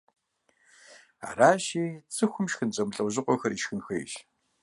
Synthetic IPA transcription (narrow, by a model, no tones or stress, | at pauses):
a̰ːraːʃiːt͡sʼɨxʷʊmʃxɨnt͡ɕʼɐmɬʼɐwʑɨqʷɔxɐriʃxɨnxʷḛjʃ